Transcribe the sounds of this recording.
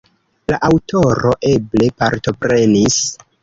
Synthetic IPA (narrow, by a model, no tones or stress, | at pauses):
laʔawtʰo̞ɾo̞ʔe̞ble̞paɾto̞pɾe̞nis